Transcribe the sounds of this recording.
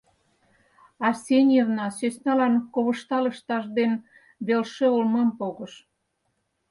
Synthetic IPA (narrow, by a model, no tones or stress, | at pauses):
ɑrsʲenʲirnɑsøsnɑlɑnkoβə̆ʃt̪ɑlə̆ʃt̪ɑʃd̪en | βelʃĕolmɑmpoɣə̆ʃ